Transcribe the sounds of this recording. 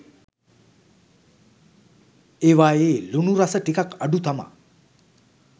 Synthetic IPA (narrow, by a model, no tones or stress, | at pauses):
eʋaːeːlunuɾasəʈikakaɖut̪ʰama̰